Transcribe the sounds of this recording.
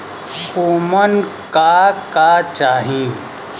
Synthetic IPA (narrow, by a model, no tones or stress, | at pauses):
koːmənkakat͡ʃaːɦĩː